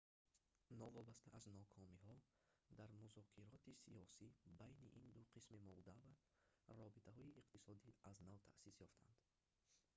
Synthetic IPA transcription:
nɔvɔbast̪aʔaznɔkʰɔmihɔd̪aɾmuzɔkʰiɾɔt̪ʰisiɔsibajniʔind̪uqʰismimɔld̪ava | ɾɔbit̪ʰaɦɔiʔiqt̪isɔd̪iaznavt̪ʰaʔsisjɔft̪ʰa̰nd̪̥

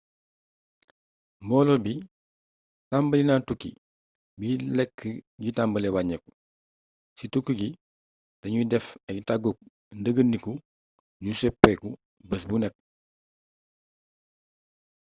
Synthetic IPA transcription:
mbɔlɔbi | tambəlinaːntukːḭ | bilɛkːəɟitambəlɛwaɲɛku | situkːəɡi | dɐɲudɛfɛtaɡok̚ | ndəɡənːiku | ɟusɛpːɛku | bɐs̬bunɛk̚ː

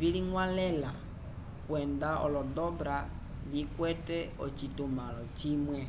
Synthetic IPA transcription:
viliŋwalɛla | kwɛndaʔɔ̰lɔdɔbɾa | βikwɛtɛɔ̰t͡ʃitumalɔt͡ʃimwɛ

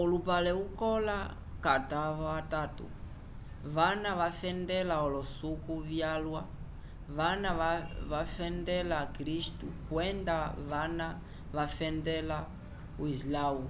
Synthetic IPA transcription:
ɔlupalɛukɔla | kataβɔatatṵ | βanaβafɛndɛlaɔlɔsukuvjalwa | βanaβaβafɛndɛlakɾistukwɛndaβana | βafɛndɛla | uislau

